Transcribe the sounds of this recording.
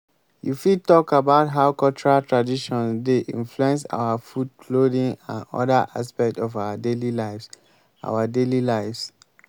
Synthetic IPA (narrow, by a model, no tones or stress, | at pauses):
jufid̚tɔkabaʊtɦaʊkɔlt͡ʃɔɹaltɹadiʃɔ̃ndeʔḭ̃nfluɛ̃ns̬a̰ʊwafudkʰlodĩŋã̰nɔ̰daʔa̰spɛk̚tɔvaʊadelilaɪfs | ʔa̰wadelilaɪfs